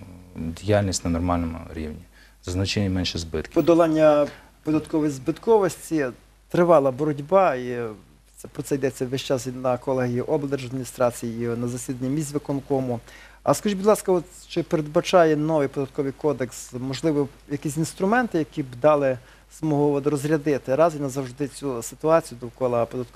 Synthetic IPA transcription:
dʲijalʲnʲisʲtʲnɐnɔrmɑlʲnɔmʊ̰ɾʲḭwnʲi | z̥ɐznɐt͡ʃɛnʲːimɛnʃɛzbɪ̰t̪kɪpɔd̪ɔlˠɑnʲːɐ | pɔd̪ɐt̪kɔʋɔjizbɪt̪kɔʋɔsʲtʲi | t̪ɾɪʋɑlˠɐbɔɾɔdʲbɑi | sɛpɾɔt̪sɛjd̪ɛt͡sʲːɐʋɛʃʲt͡ʃɑsinɐkɔlˠɛɦijiʔɔblˠd̪ɐʒɐd̪mʲinʲist̪ɾɑt͡sʲijinɐzɐsʲid̪ɐnʲːimʲizʲʋɪkɔnkɔmʊ | ɐ̰skɐʒibid̪lˠɑskɐɔt̪ | t͡ʃɪpeɾed̪̚bɐt͡ʃɑjɛnɔʋɪjpɔd̪ɐt̪̚kɔʋɨjkɔd̪eksmɔʒlˠɪʋɔ | jɐkʲisʲinst̪ɾʊmɛnt̪ɪjɐkʲibd̪ɑlˠɪ | z̥mɔɦɔɔd̪rɔzɾʲɐd̪ɪt̪ɪɾɑzinɐzɐwʒd̪ɪt͡sʲusɪ̥t̪ʊɑt͡sʲijʊd̪ɔwkɔlˠɐpɔd̪ɐt̪kɔ

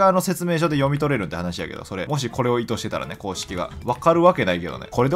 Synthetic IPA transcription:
aːno̞se̞t͡sɨme̞ːɕ̬o̞d̪e̞jo̞mʲit̪o̞ɾe̞ɾɯ̟nt̪e̞hanaɕija̰ke̞d̪o̰so̞ɾe̞mo̞ɕ̬iko̞ɾe̞o̞it̪o̞ɕi̥t̪et̪a̰ɾa̰ne̞ko̞ːɕi̥kʲiɡa̰βakaɾɯ̟βake̞naike̞d̪o̞̰nḛko̞ɾe̞d̪e

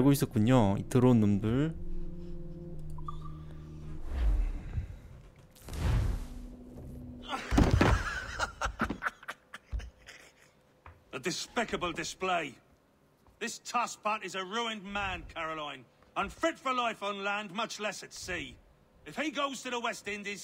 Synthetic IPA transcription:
ɡois͈ʌt̚k͈uɲoḭtɯɾonːumdu | ədɨspɪkəbəl̩ˠdɪspleɪ | ðɪstʰʌspʰɑɹɾɨzəɹʉɪ̃nmæ̃nkʰæɹəlãɪ̃nʌ̃nfɪtfə˞laɪfn̩læ̃ndmʌt͡ʃlɛsɨtsiː | ɨfhiɡoʊz̥tʰəðəwɛstɪ̃ndiz̥

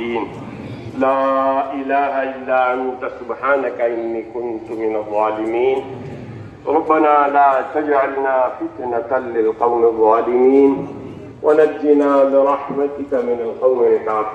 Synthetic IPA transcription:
iːn | laːʔɪlaːɦaʔɪlːaːʔant̪asʊbħaːnakaʔɪnːiːkʊnt̪mɪnɑðˤːɑːlɪmiːn | ɾˤɑbːanaːlaːt̪ad͡ʒʕalnaːfɪt̪naalɪlqɑwmɑðˤːɑːlɪmiːn | wʔanad͡ʒːɪnaːlɪɾˤɑħmat̪ɪkamɪnalqɑwmɪɾɪkaʕ

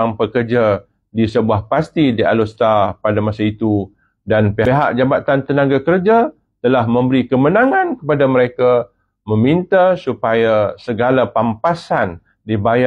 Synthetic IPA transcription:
ŋpəkərd͡ʒa | disəbuahpast̪idia̰lust̪apadamasait̪u | danpeeɦaʔd͡ʒabat̪ant̪ənaɡakərd͡ʒa | t̪əlahmə̃mbəɾikəmənãŋãnkəpadaməɾeka | məmint̪asupajasəɡalapampasan | dibaja

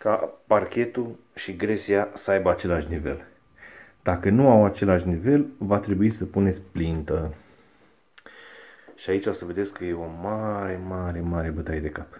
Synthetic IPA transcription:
ka̰parkʲe̞t̪u | ʃiɡɾe̞siasəajbəat͡ʃe̞laʃnive̞̰l | d̪̥akənuawat͡ʃe̞laʃnive̞lvat̪ɾe̞buisəpune̞t̪sʲplint̪ə | ʃiait͡ʃʲosəve̞d̪eskːəjeo̞maɾe̞maɾe̞maɾe̞bət̪aje̞d̪e̞kap

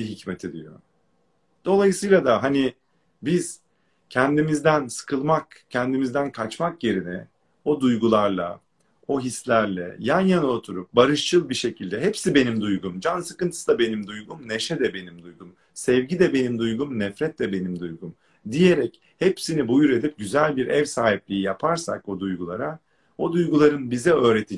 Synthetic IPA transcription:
iɦicmɛt̪ʰe̞d̪ḭjo̰ | d̪̥o̞lˠajɯsɯjlˠad̪aɦani | biz̥ | cʰɛnd̪imizd̪ænsɯ̥kʰɯlˠmakcʰɛnd̪imizd̪ænkʰat͡ʃmak̚je̞ɾinɛ | o̞d̪ujɡulˠaɾlˠa̰ | o̞ɦislʲæɾlʲɛ̰janjanɯo̞t̪ʰuɾup̚baɾɯʃt͡ʃʰɯlˠbiʃe̞cʰilʲd̪ɛɦɛpsibe̞nimd̪ujɡumd͡ʒansɯkɯnt̪ʰɯ̥sɯd̪abe̞nimd̪ujɡumneʃɛd̪ɛbe̞nimd̪ujɡum | sɛvɟid̪ɛbe̞nimd̪ujɡumnɛfɾɛt̪lɛbe̞nimd̪ujɡum | d̪ije̞ɾɛc | hepsinibujuɾe̞d̪ʲip̚ɟyzælʲbiɾʔɛvsaːɦip̚lʲijijapʰaɾsa̰k̚od̪ujɡulˠaɾa | o̞d̪ujɡulˠaɾɯnbizɛø̞ːɾe̞t̪ʰi

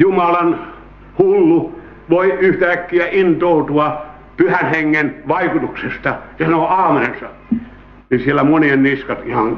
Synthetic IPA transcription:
jumɑlɑn | hulːu | ʋoiyht̪ækːiæʔint̪out̪uɑ | pyhænheŋːenʋɑikut̪uksest̪ɑsɑsɑnoɑːmurensɑ | nisielːˑæmonienniskɑt̪ihɑn

